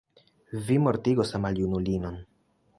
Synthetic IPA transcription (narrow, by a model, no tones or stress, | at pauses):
vimo̞ɾtiɡo̞samaljunulino̞n